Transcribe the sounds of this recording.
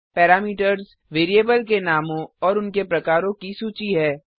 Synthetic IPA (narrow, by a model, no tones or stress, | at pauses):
pɛːɾaːmiːʈəɾz | ʋeːɾijeːbəlk̬enaːmõɔːɾʊnkepɾɐkaːɾõkisuːt͡ʃiɦɛː